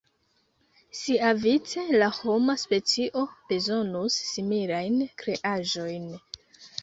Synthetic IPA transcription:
siavit͡se̞laho̞maspe̞t͡siʔo̞b̥e̞zo̞nusːimilajnkɾe̞ʔaʒo̞jn

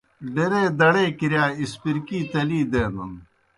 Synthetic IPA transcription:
ɖeɾeːd̪ɐɽeːkiɾjaːispiɾkiːt̪ɐliːd̪eːnɐn

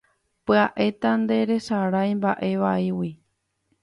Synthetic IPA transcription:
pɨaʔe̞t̪and̪e̞ɾe̞saɾajmbaʔe̞ʋaiwi

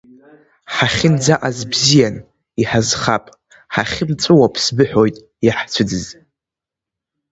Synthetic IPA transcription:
ħaχʲɪnd͡zaʔazbzijan | iħazχapʼ | ħaχʲɪmt͡sʷʼɨwapʰsbɨħojtʼ | jaħt͡sʷʰɨdɨz

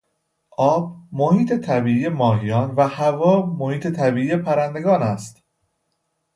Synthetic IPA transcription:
ʔɒːb̥̚mohiːt̪ʰet̪ʰæbiːʔiːjemɒːɦijɒːnvæhævɒːmohiːt̪ʰe̞t̪ʰæbiːʔiːje̞pʰæɾænd̪e̞ɡɒːnæst̪

